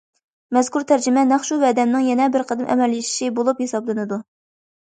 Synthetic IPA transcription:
mɛz̥kʰuɾt̪ʰæɾd͡ʒɪmɛnæχʃuvɛːd̪ɛmnɪŋjɛnɛbɪɾqʰəd̪ɪmʔɛ̰mɛlːiʃi̥ʃibolˠuphesɑblˠɨnɨd̪u

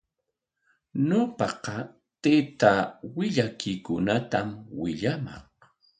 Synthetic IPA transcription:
ɲopɑqɑ | t̪et̪awɪʎakɪjkʊnat̪amwɪʎamɑ̰ŋ

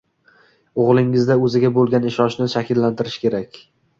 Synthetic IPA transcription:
oʁlˠɪŋɪzd̪aɵzɪɡʲabolˠɡʲanɪʃɒʃnɪʃakʲɪlːant̪ʰɪɾɪʃkʲe̞ɾakʲ

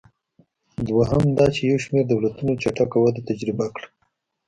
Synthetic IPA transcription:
d̪waɦamd̪ɑt͡ʃejawʃmeɾd̪awlat̪unot͡ʃaʈakawad̪at̪ad͡ʒɾɪbakɽ

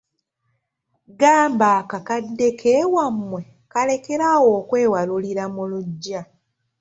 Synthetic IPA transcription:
ɡaːmbaːkakadːe̞kʰewamːwe̞ | kale̞ke̞ɾawo̞ːkwe̞ːwaluliɾamuluɟːa

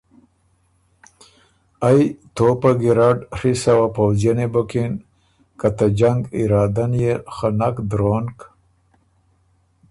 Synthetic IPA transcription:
ajt̪opaɡiɾaɖrisawapawzjanebokin | kat̪ad͡ʒaŋɡiɾɑːd̪anjexanakd̪ɾonk

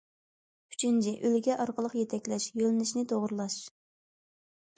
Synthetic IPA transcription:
y̥t͡ʃʰynt͡ʃʰɛʔølɡʲɛʔɑɾqəlˠəqjɛt̪ʰɛkʲlɛʃjølɪnɪʃnɪt̪ʰoʁɾlˠɑʃ

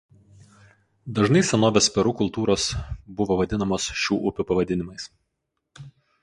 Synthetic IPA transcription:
d̪ɐʒnɐɪsʲɛnoːʋʲespʲɛɾukʊlˠt̪uːɾoːsbʊʋoʋɐd̪ʲɪnɐmoːsʃʲuːʔʊpʲʊpɐʋɐd̪ʲɪnʲɪmɐɪs

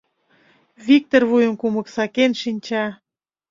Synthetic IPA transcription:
βik̚t̪orβujə̆mkumə̆ksɑkenʃinʲt͡ɕɑ

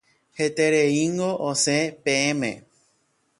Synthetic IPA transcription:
het̪eɾeiŋɡoʔosẽpẽẽmḛ̃

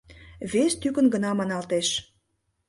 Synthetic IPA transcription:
βest̪ykə̆nɡənɑmɑnɑlt̪eʃ

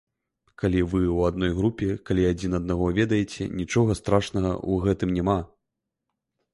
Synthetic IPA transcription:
kalʲivɨwad̪̚nɔjɣɾupʲɛkalʲiad͡zʲinɐd̪̚naɣɔvʲɛd̪ɐjet͡sʲɛ̰nʲit͡ʂɔɣɐst̪ɾaʂnɐɣɐ̰uɣɛt̪ɨmnʲɛma

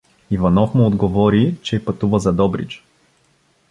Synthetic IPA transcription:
ivɐnɔfmʊːd̪ɡovɔɾit͡ʃɛpɐt̪uvəzɐd̪ɔbɾḭt͡ʃ

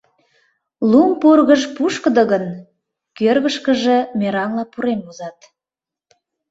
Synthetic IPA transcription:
lumpurɣəʒpuʃkəd̪ə̆ɣən | kørɣəʃkə̆ʒə̆meɾɑnlɑpuɾemuzɑt̪

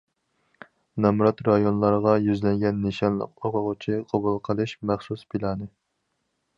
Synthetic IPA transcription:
nɑmɾɑt̪ɾɑjonlˠɑɾʁɑjyzlɛŋɡʲɛnːeʃɑnlˠə̰q̚oqʰʊʁʊt͡ʃʰiqʰɑbulˠqʰəlˠɨʃmæχsuspʰilˠɑːnɨ

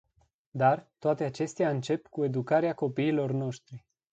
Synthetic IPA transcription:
d̪art̪oat̪e̞at͡ʃe̞st̪eaɨnt͡ʃe̞pkue̞d̪ukaɾeako̞piːlo̞rno̞ʃt̪ɾi

